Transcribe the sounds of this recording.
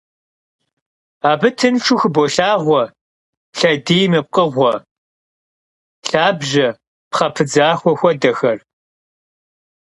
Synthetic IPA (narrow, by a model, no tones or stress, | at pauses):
aːbɨtʰɨnʈ͡ʂʷʰʊxboɬaːʁʷɔ | ɬɐdiːjmɨp̚qʼəʁʷɔ | ɬaːbʒɐ | pχɐpʰɨd͡zaːxʷɔxʷɔdɐxɐr